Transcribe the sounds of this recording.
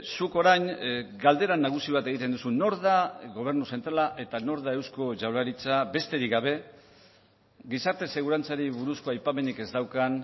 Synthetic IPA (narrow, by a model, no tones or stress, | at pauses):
suko̞ɾajnɡald̪e̞ɾanaɣ̞usiβ̞at̪e̞ɣ̞it̪̬end̪usuno̞ɾðaɣo̞β̞e̞ɾnuse̞nt̪ɾalaʔe̞t̪ano̞ɾðae̞wsko̞ʝawlaɾit͡sabe̞st̪e̞ɾiɡaβ̞e̞ | ɡisaɾt̪e̞se̞ɣ̞uɾant͡saɾiβuɾusko̞ajpame̞nike̞zd̪awkan